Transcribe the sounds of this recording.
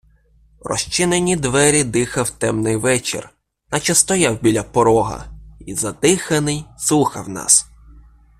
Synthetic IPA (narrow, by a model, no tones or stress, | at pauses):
rɔ̰ʃt͡ʃɪnenʲid̪ʋɛɾʲid̪ɪxɐwt̪ɛmnɪjʋɛt͡ʃḛr | nɐt͡ʃɐst̪ɔjɑwbʲilʲɐpɔɾɔɦɐ̰izɐd̪ɪxɐnɪjsuxɐ̰wnɑ̰s